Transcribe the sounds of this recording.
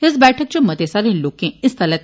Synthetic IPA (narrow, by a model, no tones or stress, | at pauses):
ɦet͡sbɛjʈʰək̚t͡ɕeməd̪ʱesaɾẽlokẽɪst̪ʰəlet̪